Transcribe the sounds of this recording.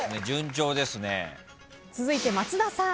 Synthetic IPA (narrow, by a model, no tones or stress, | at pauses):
ned͡ʑɨ̃ɲd͡ʑo̞ːd̪e̞sɨne̞̰ | t͡sɨzɨit̪emat͡sɨd̪asã